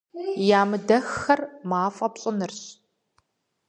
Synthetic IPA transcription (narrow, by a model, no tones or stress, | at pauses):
jaːmɨdɐxːɐrmaːfʼɐpɕʼɪnɨrɕ